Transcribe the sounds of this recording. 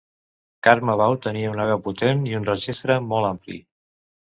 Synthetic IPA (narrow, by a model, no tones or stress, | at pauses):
kaɾməβ̞awt̪əniəunaɣawput̪eniunrəʒist̪ɾəmɔlˠamplḭ